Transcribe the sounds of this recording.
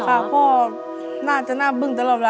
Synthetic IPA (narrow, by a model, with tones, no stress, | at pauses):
kʰa˧˥˩kʰɔː˧˥˩ | naː˥˩t͡ɕa˨˩naː˥˩bɯ˧˩ŋt̪a˧˦lɔː˧˨˩p̚la˧˦